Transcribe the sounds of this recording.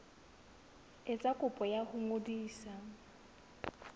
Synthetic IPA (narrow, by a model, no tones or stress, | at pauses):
ɪt͡sʼakʼʊpʼɔjahʊŋodiːsa